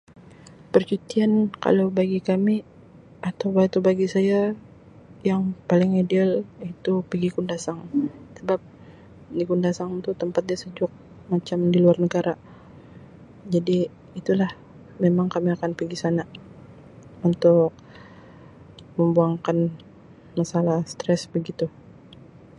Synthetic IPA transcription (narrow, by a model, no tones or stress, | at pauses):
pərt͡ʃut̪ianka̰lawbaɡikami | at̪awbat̪ubaɡisaja | jaŋpalɪŋidealit̪upəɡikundasaŋsəbap̚ | dikundasaŋt̪ut̪əmpat̪̚dasəd͡ʒʊk̚ | mat͡ʃamdiluarnəɡaɾa | d͡ʒadiː | t̪ulah | memaŋkamiakanpiɡisana | unt̪ʊk̚ | məmbuaŋkan | masalahst̪ɾɛsbəɡit̪u